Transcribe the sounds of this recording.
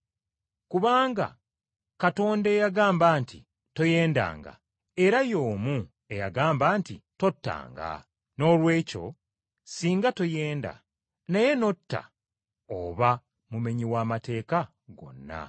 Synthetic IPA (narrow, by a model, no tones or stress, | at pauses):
kuβaːŋɡa̰ | kato̞ːnde̞ːjaɡaːmbaːnti | to̞je̞ːnda̰ːŋɡa̰ | e̞ɾajo̞ːmu | e̞jaɡaːmbaːntito̞tːa̰ːŋɡa̰ | no̞lwe̞ːco̞̰ | siːŋɡato̞je̞ːnda̰ | naje̞no̞tːa̰ | o̰βa | mume̞ɲiwaːmate̞ːka | ɡo̞̰nːa̰